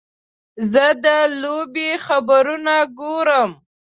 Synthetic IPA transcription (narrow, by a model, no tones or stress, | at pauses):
zəd̪əlobexabəɾunaɡoɾəm